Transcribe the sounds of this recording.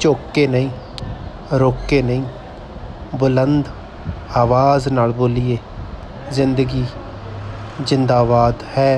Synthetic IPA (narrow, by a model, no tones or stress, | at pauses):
t͡ʃoːkːeːnəĩː | ɾoːkeːnəĩː | bʊlənd̪ | aːʋaːznaːlboːlieː | zɪnd̪əɡiː | zɪnd̪aːbaːd̪hɛː